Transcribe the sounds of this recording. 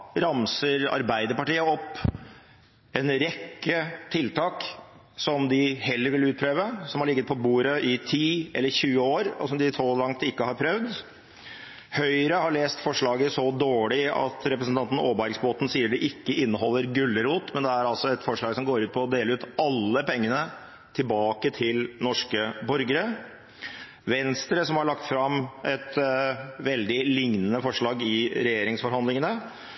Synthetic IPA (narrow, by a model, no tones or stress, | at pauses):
ɾɑmsəɾɑ̰ɾbæɪd̪əɾpɑʈiːəɔpː | ɛnɾɛkːət̪ʰɪlt̪ʰɑːk | sɔmd̪ɪhɛlːəɾʋɪlʉːt̪̚pʰɾeːʋəsɔmhɑɭɪɡːət̪̚pʰɔbuːɾəʔɪt̪ʰiːɛ̰lːəɾçʉːəoːɾɔ̰sɔmd̪ɪsɔlɑŋt̪ɪkːəhɑɾpʰɾœʋd̪ | hœʏəɾəhɑɭeːst̪fɔʂɭɑːɡəsɔd̪oːɭɪɑ̰t̪ɾɛpɾəsn̩t̪ɑnt̪ən̩oːbæɾɡsboːt̪n̩siːəɖɛʔɪkːəʔɪnːəhɔlːəɾɡʉlːəɾuːt̪mɛnd̪ɛæɾɑlsɔɛt̪fɔʂɭɑːɡsɔmɡoːɾʉːt̪̚pʰɔːd̪eːləʉːt̪ɑlːəpɛŋːənə | t̪ʰɪlbɑːkət̪ʰɪlnɔʂkəbɔɾɡəɾə | ʋɛnst̪ɾəsɔmhɑɭɑkt̪fɾɑmʔɛt̪ | ʋɛld̪ɪlɪŋnənəfɔʂɭɑːɡɪɾɛjeːɾɪŋsfɔɾhɑnd̪lɪŋənə